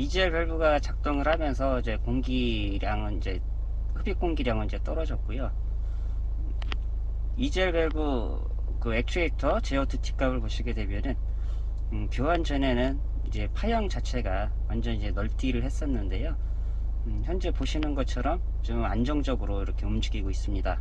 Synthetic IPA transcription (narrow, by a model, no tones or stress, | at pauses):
id͡ʑʌɭpjʌɭbuɡat͡ɕak̚t͈oŋɯɭhamjʌns̬ʰʌid͡ʑe̞koŋɡi | ɾjaŋɯnid͡ʑe̞ | hɯbik͈oŋɡiɾjaŋɯnid͡ʑe̞t͈ʌɾʌd͡ʑʌk̚k͈ojo | id͡ʑeɭpʌɭbu | kɯe̞k̚tʰietʰʌt͡ɕe̞ʌtʰɯtʰi̥k͈abɯɭpoɕʰiɡede̞bjʌnɯn | ɯpjoɦand͡ʑʌnenɯn | id͡ʑe̞pʰajʌŋt͡ɕat͡ɕʰe̞ɡa | wand͡ʑʌnid͡ʑe̞nʌɭt͈iɾɯɭhe̞s͈ʌnːɯnde̞jo | çjʌnd͡ʑepoɕʰinɯnɡʌt͡ɕʰʌɾʌm | t͡ɕomand͡ʑʌŋd͡ʑʌɡɯɾoiɾʌkʰe̞umd͡ʑiɡiɡois͈ɯmɲida